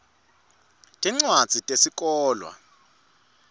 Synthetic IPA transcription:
tʼɛŋ͡ǀwad̥z̥ʱitʼesik̬ʼɔːlwa̰

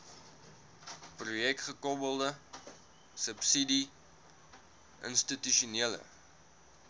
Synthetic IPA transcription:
prujɛkχəkɔbəlˠdə | səpsidi | ʔə̰nstityʃuniələ̰

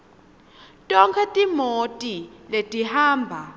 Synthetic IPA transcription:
tʼɔŋkʰɛtʼimotʼiletʼihaːmbʱa

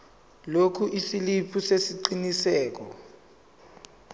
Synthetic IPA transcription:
lokʰuʔisilipʰusesiǃinisɛːk̬ɔ

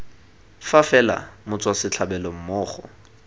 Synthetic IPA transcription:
fafɛla̰mʊt͡sʼwasɪt͡ɬʰabɛlɔm̩mʊːχɔ̰

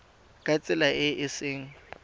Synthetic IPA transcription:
kʼat͡sʼɪlaɪʔɪsɪːŋ̩

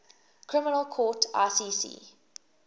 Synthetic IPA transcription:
kʰɹ̥ɪmɪnəlˠkʰɔːˑtʰa̰sisḭː

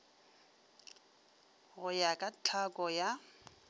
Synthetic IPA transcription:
ɣʊjakʼat͡ɬʰakʼɔja

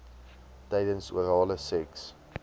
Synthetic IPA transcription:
tɛjdənsṵəɾɑːləsɛks

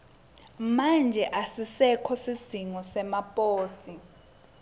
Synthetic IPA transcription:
mand͡ʒʱɛʔasisɛkʰɔsid̥z̥ʱiŋɔsɛmapʼoːsi

